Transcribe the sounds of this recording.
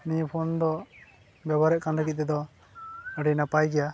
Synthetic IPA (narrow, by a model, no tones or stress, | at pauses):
nijpʰɔnd̪ɔ | bɛbaɾɛʔkanɾəkit̪̚t̪ɛd̪ɔ | əɖinapajɡɛja